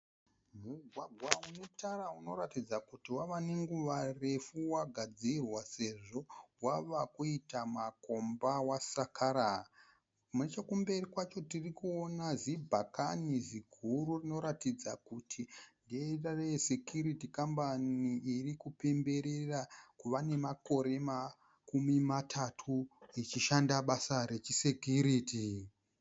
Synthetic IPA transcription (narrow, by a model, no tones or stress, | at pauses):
muɡʱwaɡʱwaunotarauno̞ɾatid͡zakutiwaʋane̞ŋɡuʋare̞fuwaɡʱad͡zirwase̞ʐo̞waʋakuitamako̞mbawasakʰaɾa | munet͡ʃekumbe̞rikwat͡ʃo̞tirikuo̞nazibʱakaniziɡʱururino̞ɾatid͡zakutʰinderaresekjuɾitikambaniʔirikupe̞mbe̞ɾe̞rakuʋane̞mako̞ɾe̞ma | kumimatʰatʰuit͡ʃiʃandaɓasaɾe̞t͡ʃisekuɾiːti